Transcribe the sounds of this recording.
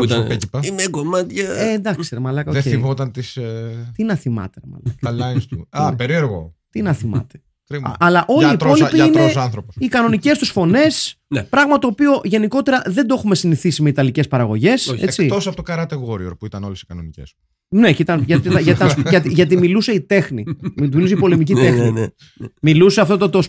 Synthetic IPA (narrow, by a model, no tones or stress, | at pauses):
ec̪ipɐinekomɐt̪çɐend̪ɐksseɾemɐlɐkɐoðeeimot̪ɐnt̪ist̪inɐθimɐ̰t̪eɐmɐ̰lɐ̰kɐlɐinst̪uɐpeɾieɾɣo̞̰t̪inɐθimɐ̰t̪e | t̪ɾimɐlɐʔo̞liit̪o̞lipiɐineosɐnθɾoposikɐno̞nice̞st̪usfo̞ne̞spɾɐɣmɐt̪o̞ːpio̞ʔʝe̞niko̞t̪e̞ɾɐðe̞nd̪oe̞xume̞siniθisimeit̪ɐlice̞spɐɾɐɣo̞ʝe̞sḛt͡sit̪osɐft̪okɐɾɐt̪eɣoɾioɾpuit̪ɐno̞lesi̥kɐnonicḛs | ne̞cit̪ɐnʝɐt̪it̪ɐʝɐɐnʝɐt̪iʝɐt̪̬imiluse̞it̪e̞xniit̪milus̬eipo̞lemicit̪enin | miluseɐft̪o̞t̪ot̪os